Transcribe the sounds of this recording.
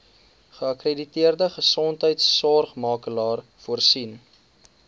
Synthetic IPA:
χəɐkreditiərdəχəsɔntɦəjtsːɔrχmɑːkəlɑːrfuərsin

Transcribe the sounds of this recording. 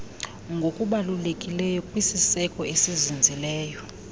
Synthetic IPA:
ŋɡʱokʼuɓalulekʼilɛjɔkʼwisisɛkʼɔesizind͡zʱilɛːjɔ

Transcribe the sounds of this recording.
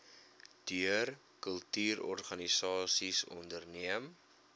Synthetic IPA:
d̥yər | kəlˠtyːrɔ̰rχɐnisɑːsisɔ̰ndərniəm

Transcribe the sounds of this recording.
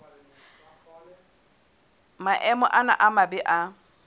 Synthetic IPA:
maʔɛmɔʔana̰ʔamabɪʔa

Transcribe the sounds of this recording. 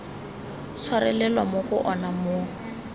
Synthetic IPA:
t͡sʰwarɛ̰lɛlwamoχʊʔɔnamo

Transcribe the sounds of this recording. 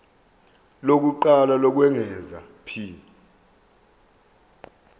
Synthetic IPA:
lok̬uǃalalɔk̬wɛŋɛza̰ | pʰiːna

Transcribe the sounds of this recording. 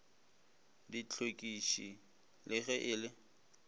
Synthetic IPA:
dit͡ɬʰokʼiʃi | lʔɪɣɛʔɪlɪ

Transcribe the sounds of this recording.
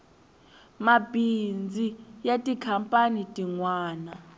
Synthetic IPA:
mabʱind͡zʱijatʼikʰampʼanitʼiŋwaːna

